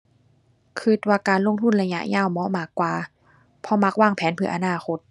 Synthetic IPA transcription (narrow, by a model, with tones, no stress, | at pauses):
kʰɯː˧˩t̪̚waː˧kaː˨nlo˧˨ŋt̪ʰu˧˥˨nla˧ja̰˧ʔɲaː˧˥˩wmɔ˧˥maː˧˩kːwaː˨˩ | pʰɔ˧˥ma˧˥k̚waː˧˥˩ŋpʰɛː˨˦npʰɯ˧˥˦ʔa˧naː˧˩xʰo˧˦˥t̪̚